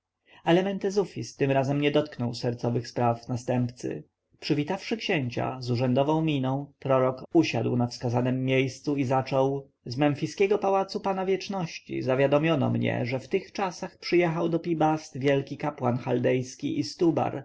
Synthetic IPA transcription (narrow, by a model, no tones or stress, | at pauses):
alɛmɛnt̪ɛzufʲist̪ɘmɾazɛmɲɛd̪ɔt̪̚knɔwsɛɾt̪sɔvɘxspɾafnast̪ɛmpt̪sɘ̰ | pʂɘvʲit̪afʂɘkɕɛɲt͡ɕa̰zuʐɛnd̪ɔvɔ̃w̃mʲinɔ̃w̃pɾɔɾɔkuɕa̰d̪wnafskazanɛmːʲjejst̪suizat͡ʂɔw | zmɛnfʲiskʲɛɡɔpawat̪supanavʲjɛt͡ʂnɔɕt͡ɕḭzavʲjad̪ɔmʲjɔnɔ̰mɲɛ̰ʐɛft̪ɘxt͡ʂasaxpʂɘjɛxawd̪ɔpʲibast̪vʲjɛlkʲikapwanxald̪ɛjskʲḭʔist̪uba̰ɾ